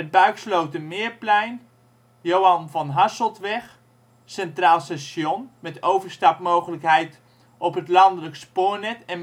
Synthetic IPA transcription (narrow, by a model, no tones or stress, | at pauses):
ət̚bœɥkslowtəmɪːərplɛjn | jowɑnvɔnɦasəlˠtʋɛx | sɛntraːlˠsɛsjonmɛtowvərstɑpmoːwχələkɦɛjt | ʔɔpɦətlɑndələkspoːɹnɛtɛn